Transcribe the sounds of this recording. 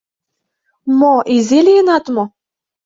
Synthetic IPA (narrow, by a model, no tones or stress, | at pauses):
moʔizelʲeenɑt̪mo